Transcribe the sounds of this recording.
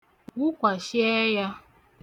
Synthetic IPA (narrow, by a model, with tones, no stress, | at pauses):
ɡʊ˦kʷa˨ʃɪ˦e˦ja˦